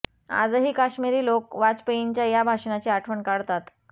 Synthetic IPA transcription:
a̰d͡zɦiːkaɕmiɾiːlokʋat͡speiɲt͡ɕjajabʱaʂɳat͡ɕiaʈʰʋəɳkaɽt̪at̪

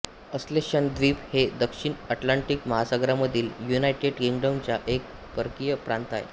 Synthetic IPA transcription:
əsleɕənd̪ʋiːphed̪əkʂiɳəʈlaɳʈikməɦasaɡɾaməd̪ʱiːljunajʈeɽkiŋɡɖəmt͡ɕjaʔek̚ | pəɾkijəpɾãnt̪a̰j

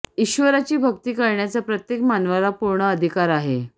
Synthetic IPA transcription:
iɕʋəɾat͡ɕiːbʱək̚t̪iːkəɾɳjat͡sapɾət̪jekmanʋalapuɾɳəəd̪ʱikaɾaɦe

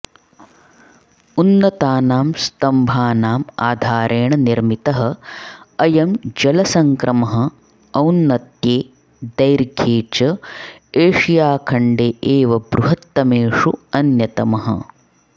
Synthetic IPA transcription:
unːɐt̪aːnaːmst̪ɐmbʱaːnaːma̰ːd̪ʱaːɾʔeːɳɐniɾmit̪ɐɦɐ̆ | ɐjɐmd͡ʒɐlɐsɐŋkɾʔɐmɐɦɐ̆ | ɐwnːɐt̪jeː | d̪ɐjɾɡʱeːt͡ʃɐeːʂijaːkʰɐɳɖeːʔeːʋɐbɾuɦɐt̪ːɐmeːʂuɐnjɐt̪ɐmɐɦɐ̰

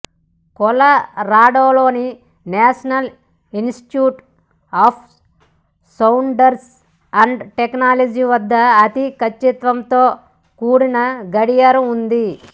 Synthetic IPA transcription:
kɔlɐɾaːɽoːlo̞ːni | naːʂɐnɐl | insʈi̥ʈjuːʈ | aːpʰ | sɐwuɳɖɐɾs | ɐɳɖʈeknaːlɐd͡ʒiʋɐd̪ːɐːt̪ikɐt͡ʃːit̪ʋɐmt̪o̞ː | kuːɽinɐɡɐɽijaɾuund̪i

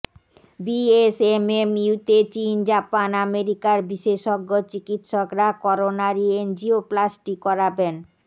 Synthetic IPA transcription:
biesememiut̪et͡ɕind͡ʑapanameɾikaɾbiʃeʃoɡːot͡ɕikit̪ʃokɾakɔɾonaɾiend͡ʑioplasʈikɔɾaben

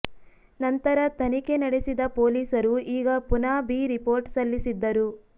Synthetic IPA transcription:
nɐnt̪ɐɾɐt̪ʰɐnikenɐɽesid̪ɐpoːliːsɐɾuiːɡɐpunaːbiːɾipo̞ːɾʈsɐlːisid̪ːɐɾu

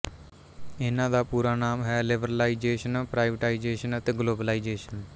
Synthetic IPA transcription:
ɪnãːd̪aːpuːɾaːnaːmɦɛːlɪbəɾlaːid͡ʒeːʃənpɾaːɪʋəʈaːid͡ʒeːʃənət̪eːɡloːbəlaːid͡ʒeːʃən

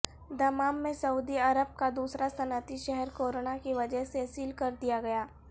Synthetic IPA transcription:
d̪ɐmaːmːẽsɐuːd̪iɐɾəb̚kad̪uːsɾasɐnət̪iʃɛɦɛɾkoːɾoːnakiʋɐd͡ʒəɦsesiːlkɐɾd̪ijaɡɐjaː

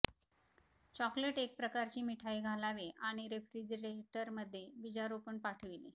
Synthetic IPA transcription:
t͡ɕɔkleʈek̚pɾəkaɾt͡ɕiːmiʈʰaiːɡʱalaʋeʔaɽ̃iɾefɾid͡ʑɾeʈəɾməd̪ʱːjebid͡ʑaɾupəɳpaʈʰəʋilḭ

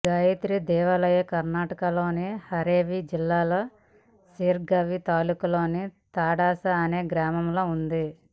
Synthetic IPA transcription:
ɡaːjit̪ɾid̪ɛːʋɐlɐjɐkɐɾnaːʈɐkɐloːnihɐɾeːʋid͡ʒilːaːlɐ | siːɾɡɐʋit̪aːlukulo̞ːnit̪aːɽaːsɐːneːɡɾaːmɐmlo̞ːund̪i

